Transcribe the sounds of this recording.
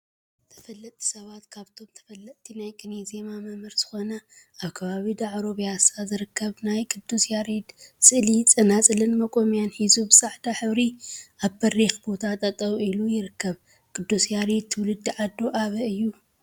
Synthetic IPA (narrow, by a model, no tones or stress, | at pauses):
t̪ʰɐ̥fɐlːɐt̪ʼʰi̥sɐβat̪kʰaβt̪ʰo̞mt̪ʰɐ̥fɐlːɐt̪t̪ʰinajkʼɨnezemamɐmɨɾz̥ɨxo̞nɐ | ʔaβkʰɐβaβid̪aʕɾo̞βjasazɨɾɨkʰːɐβnajkʰɨd̪ːusjaɾid̪sʼɨʔlit͡sʼɨnat͡sʼɨlɨnmɐkʼo̞mjanħizubɨsaħd̪ʰaħɨβɾiʔaβbɐrexbo̞t̪ʰat̪ʼɐt̪ʼɐβilujɪɾɨkʰːɐβ | kʰɨd̪ːusjaɾid̪̚t̪ʰːɨwlɨd̪ːiʕad̪ːoʔaβɐɨjːu